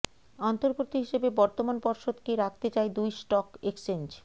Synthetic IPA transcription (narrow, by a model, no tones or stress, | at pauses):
ant̪oɾɡot̪iɦiʃebebɔɾt̪omanpɔɾʃod̪kiɾak̚ʰt̪et͡ɕaed̪ujsʈɔkeksend͡ʑ